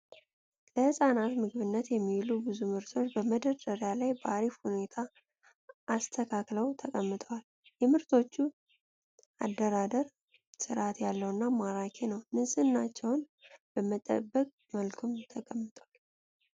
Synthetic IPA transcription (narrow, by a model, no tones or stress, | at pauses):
ləhɨsʼanat̪mɨɡβɨnːət̪jɛmːilubɨzumɨɾt̪ʰo̞t͡ʃːbəməd̪ədəɾjalajbəaɾifhune̞t̪ʰa | ʔast̪ʰəkʰakləwt̪ʰəkʼəmːɨt̪ʰəwal | jɛmɨɾt̪ʰo̞t͡ʃːu | ad̪ːəɾad̪əɾ | sɨɾʔat̪jalːəwɨnːamaɾakʰenəwnɨsʼɨnːat͡ʃːɛwn | bəmət̪ʼːə̰bːəkʼ | məlkʰɨmt̪ʰəkʼəmːɨt̪ʰʼwal